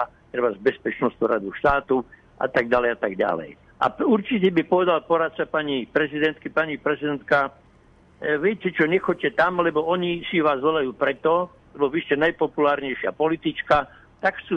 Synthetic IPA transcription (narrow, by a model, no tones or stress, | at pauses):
a | t̪ɾɛbazbɛspɛt͡ʃnɔst̪ɔɾad̪uʃt̪aːt̪u | ʔa̰t̪aɡɟalɛjat̪aɡɟa̰lɛ̰j | ʔa̰uɾt͡ʃic̬ɛbipɔʋɛd̪alpɔɾat̪̚t͡sapaɲipɾɛzid̪ɛnt̪kipaɲipɾɛzid̪ɛnt̪ka | ʋɪɛcɛt͡ʃɔɲɛxɔc̚cːɛt̪amlɛbɔɔɲisiʋaːzʋɔlajuːpɾɛt̪ɔ | lɛbɔiʃcɛnajpɔpulaːɾɲɛjʃɪa̰pɔlit̪it͡ʃka | t̪akxt͡suː